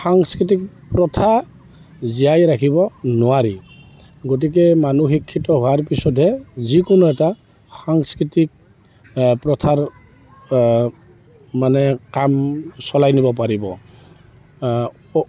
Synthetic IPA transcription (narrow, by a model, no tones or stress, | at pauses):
xaŋskɹitik̚ | pɹɔtʰa | zijajɾakʰibɔnɔwaɹi | ɡot̬ik̬ɛmanuxikʰːitɔɦɔaɹpisɔtɦɛzikɔnuɛta | xaŋskɹitik̚ | pɹɔtʰaɹ | anɛkamsɔlajnibɔpaɹibɔ